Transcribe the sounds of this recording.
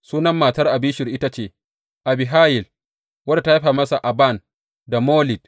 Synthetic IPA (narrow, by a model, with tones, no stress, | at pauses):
suː˦nɐ˦mːaː˨tɐ˦rʔa˨biː˦ʃɪ˨rʔɪ˦ta˦t͡ʃeː˦ | ʔa˨bɪ˨ɦaː˦jɪ˨l | wɐ˦da˨ta˦ha˦ɸa˨mɐ˦sa˨ʔa˨ba˦˨n | da˨moː˦lɪ˨d